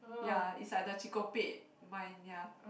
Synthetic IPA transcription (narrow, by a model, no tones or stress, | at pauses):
jaḭsadat͡ʃikopeʔ | mãjnja